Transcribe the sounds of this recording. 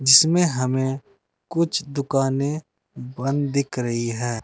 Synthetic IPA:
d͡ʒɪsmẽɦɐmẽ | kʊt͡ʃʰd̪ʊkaːnẽ | bə̃nd̪d̪ɪkʰɾɐɦiɦɛː

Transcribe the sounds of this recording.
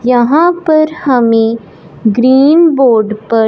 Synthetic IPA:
jɐɦãpɐɾhəmẽ | ɡɾiːnboːɾɖpɐ

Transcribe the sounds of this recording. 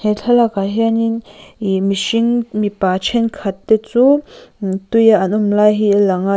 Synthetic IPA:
hɛɬʰalakaɦɛaninimiʃiŋmipaːt͡ʃʰɛnkʰat̪ːɛt͡su | t̪ujaʔɐnʔumlaːjɦilaŋa

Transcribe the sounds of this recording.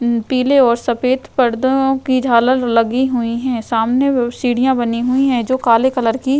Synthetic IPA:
piːleɔːɾsɐpeːt̪pɐɽd̪õkid͡ʒʱaːləllɐɡiɦʊiɦɛ̃ːsaːmnesiːɽijãbɐniɦʊiɦɛ̃d͡ʒoːkaːlekɐləɾki

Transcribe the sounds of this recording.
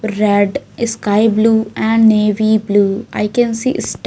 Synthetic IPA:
ɾɛɖskaɪbluːæ̃ɳɖneːʋiːbluːa̰ɪkɛ̃nsḭːʔsʈ

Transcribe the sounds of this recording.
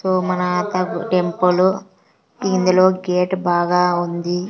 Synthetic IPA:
soːmɐnaːt̪ɐɡʈempulu | ind̪ulo̞ːɡeːʈbaːɡaːund̪i

